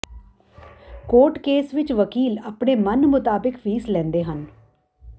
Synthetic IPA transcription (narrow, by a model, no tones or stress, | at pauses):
koːʈkeːsʋɪt͡ʃʋəkiːlaːpɳeːmənmʊt̪aːbɪkʋiːslɛ̃ːnd̪eːɦən